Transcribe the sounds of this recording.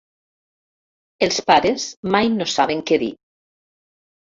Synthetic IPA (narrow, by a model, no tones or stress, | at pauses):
elˠspaɾezmajnosaβ̞eŋkeðḭ